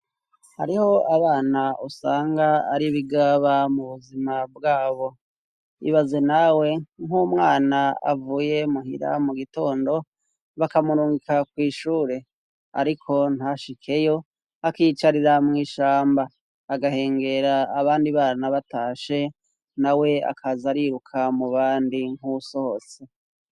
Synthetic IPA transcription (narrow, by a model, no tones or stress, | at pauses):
ha̰ɾiho̞aβaːnaosaːŋɡaːɾiβiɡaβamuβuzimabɡaːβo̞ | ḭβaze̞nawe̞ŋumŋaːnaa̰vuje̞muhḭɾa̰muɡito̞ːndo̞ | βakamuɾuːŋɡikakwiːʃuːɾe̞ | a̰ɾikʰo̞n̥haʃikʰe̞jo̞ | akit͡ʃaɾiɾamŋiːʃaːmbaː | ɡahe̞ːŋɡe̞ɾaːβaːndiβaːɾanaβataːʃe̞ | nawe̞a̰kʰazaɾiːɾukʰamuβaːndiŋ̥huso̞hose̞